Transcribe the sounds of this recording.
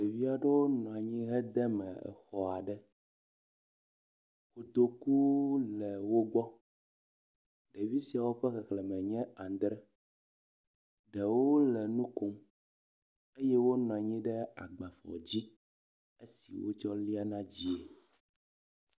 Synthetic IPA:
ɖe˨vi˦a˨ɖɛ˦wo˦nɔ̃˨a˨ɲĩ˦ɦɛ˦d̪ɛ˦mɛ̰˨ɛ̰˨xɔ˨a˨ɖɛ˦ | xo˨t̪o˨ku˦lɛ˨wo˦ɡ͡bɔ˦ | ɖɛ˨vi˦si˨a˨wo˦ɸɛ˦xɛ˨klɛ˨mɛ̃˨ɲɛ̃˦a˨d̪ɾɛ˦ | ɖɛ˨wo˦lɛ˨nũ˦ko˦m | e˦jɛ˦wo˦nɔ̃˨a˨ɲĩ˦ɖɛ˦a̰˨ɡ͡ba˨fɔ̰˨d͡ʑi˦ | e˦si˨wo̰˦t͡ʃɔ˦li˦a˦nã˦d͡ʑi˦e˨

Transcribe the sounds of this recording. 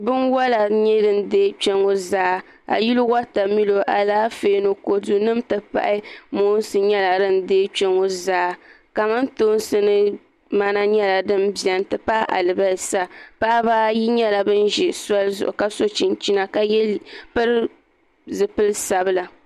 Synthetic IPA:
bɨ˦nwa˦la˨ɲɛ˦dɨ˦n˦deː˦k͡pɛ˦ŋo˦zaː˦ | a̰˨ji˦lwa˦ta˨mi˦lo˨ʔa˨laː˦feː˦no˨ko˨du˦nɨ˦mtɨ˨pa̰˦ʔɪ˦mo˦n˦sɨ˨ɲɛ˦la˨dɨ˦n˦deː˦k͡pɛ˦ŋo˦zaː˦ | ka˨ma˦ntoː˦n˦sɨ˦nɨ˦ | ma˦na˦ɲɛ˦la˨dɨ˦mbi˨ɛ˨n˦tɨ˨pa˦ʔa̰˨lɨ˨ba˦˨sa˦pa˦ʔbaː˦ji˦ɲɛ˦la˨bɨ˦nʒɛ˨sa˦lzʊ̰˨ʔʊ˨ka˦so˦t͡ʃi˨nt͡ʃi˦na˨ka˨jɛ˦pɨ˦ɾ | zɨ˨pɨ˦lsa˨bɨ˦la˨

